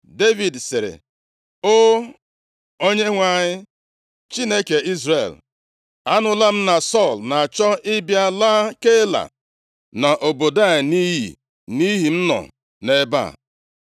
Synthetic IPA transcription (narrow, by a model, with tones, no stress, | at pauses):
de˦vi˨dsɪ˨ɾḛ˨ | o˦ | o˦ɲe˦ŋʷa˨ɲɪ˦ | t͡ʃi˦ne˦ke˨i˦zɾḛ˨l | a˦nʊ˨la˦m̩˦na˨sɔ˦˨lna˨a˨t͡ʃɔ˦ɪ˦bja˦la˦ke˦la̰˨ | na˨ʔo˨bo˨da˦˨ɲɪ˨ni˦ɦḭ˨ | ni˦ɦi˨m̩˦nɔ̰˨ | ne˦ba̰˦˨